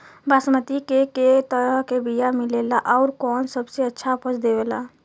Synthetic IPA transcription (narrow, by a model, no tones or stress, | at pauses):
basmət̪ikeket̪əɾəɦkebijamilelaʔɔʊɾkɔnsəbseətːʃʰapʰət͡ʃd̪ebela